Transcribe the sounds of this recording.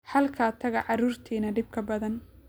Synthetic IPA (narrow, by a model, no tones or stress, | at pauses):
ħɐlkʰaːt̪ʰɐɣɐʕɑɾuːrt̪ʰiːnɐɖɪb̚kʰɐbɐðɐn